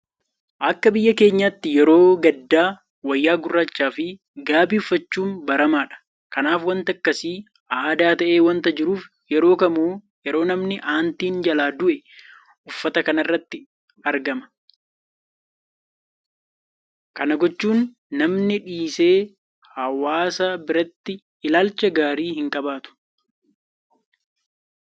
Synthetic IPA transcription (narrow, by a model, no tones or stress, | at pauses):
ʔɐkːɐbɪjːɐke̞ːɲːaːt̪ːɪjɛɾo̞ːɡɐd̪ːaː | wɐjːaːɡʊrːɐt͡ʃːaːfɪ | ɡaːbiːʊfːɐt͡ʃːuːnbɐɾɐmaːᶑɐ̥ | kɐnaːfwɐnt̪ɐkːɐsiː | ʔaːd̪aːt̪ɐʔe̞ːwɐnt̪ɐd͡ʒɪɾuːf | jɛɾo̞ːkɐmuː | jɛɾo̞ːnɐmnɪʔaːnt̪iːnd͡ʒɐlaːd̪ʊʔɛ | ʔʊfːɐt̪ɐkɐnɐrːɐt̪ːɪ | ɐɾɡɐmɐ̥ | kɐnɐɡɔt͡ʃːuːnː | ɐmnɪᶑiːse̞ː | hɐwaːsɐbɪɾɐt̪ːɪ | ɪlaːlt͡ʃɐɡaːɾiːhɪŋkʼɐbaːt̪ʊ̥